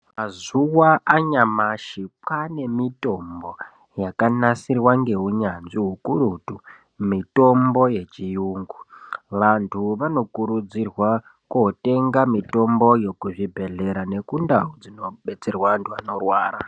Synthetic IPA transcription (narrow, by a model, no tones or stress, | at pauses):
mazuwaʔaɲamaʃipane̞mito̞mbo̞ | jakanasirwaŋɡe̞ɦuɲanziɦukuɾutu | mito̞mbo̞je̞t͡ʃijuːŋɡuʋantʰuʋano̞kuɾud͡zirwa | kote̞ŋɡamito̞mbo̞jo̞kuʐibʱe̞ɮe̞ɾane̞kundaɦod͡zino̞ɓe̞t͡se̞rwaantʰuano̞rwaːɾa